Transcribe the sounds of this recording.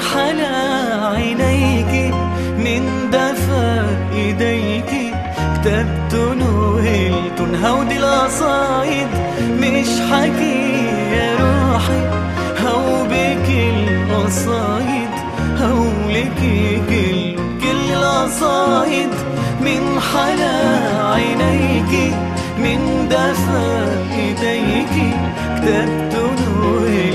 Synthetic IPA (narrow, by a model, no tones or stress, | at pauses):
ħala | ʕanajki | mɪn | d̪afa | ʔɪd̪aj | ki | kt̪ab̚t̪ʊnʊhɪlt̪ʊnɦawd̪ilʔɑsˤɑːʔɪd̪ | mɪʃħakijaɾˤuːħi | hawbɪkɪlʔɑsˤɑːjɪd̪ | haw | lɪkikɪl | kɪlɪlʔɑsˤɑːʔɪd̪ | mɪnħalaʕajnajki | mɪnd̪afa | kɪt̪ajki | kt̪ab̚t̪ʊn